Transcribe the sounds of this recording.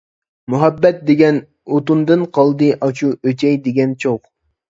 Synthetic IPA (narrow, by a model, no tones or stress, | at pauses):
muɦɛbːɛt̪̚d̪eɡʲɛn | ot̪und̪ɨnqʰɑlˠd̪ɨʔɑt͡ʃʰuøt͡ʃʰɛjd̪eɡʲɛnt͡ʃʰoχ